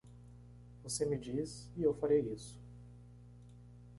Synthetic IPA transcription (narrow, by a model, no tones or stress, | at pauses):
vosemɪd͡ʒis | iewfaɾejisʊ̥